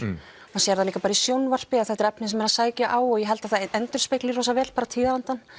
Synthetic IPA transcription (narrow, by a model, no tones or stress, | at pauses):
masjɛɾalikapaːɾaisjownvar̥pɪaðθɛht̪ɪɾɛpnɪnsɛmɛɾasaːjcaʔaːwɔɣjɛɦɛlt̪aθaɛnt̪ʏɾ̥spejklirɔːsavɛːlpaːɾat̪ʰiːðaɾant̪an